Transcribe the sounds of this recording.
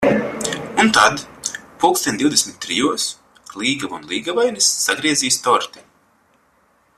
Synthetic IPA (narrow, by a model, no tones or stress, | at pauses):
unt̪ad̪pulksɛnd̪ʲiwd̪ʲesmʲit̪̚ʲːɾijuɔs | lˠiːɡavṵnlˠiːɡavajnisːaɡɾiɛziːst̪ɔɾt̪i